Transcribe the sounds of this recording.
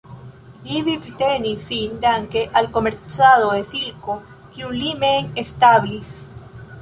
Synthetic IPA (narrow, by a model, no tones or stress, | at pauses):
liβivt̪enisind̪aŋkeʔalkomeɾsaðoðesilko | kjunlimeŋest̪aβlis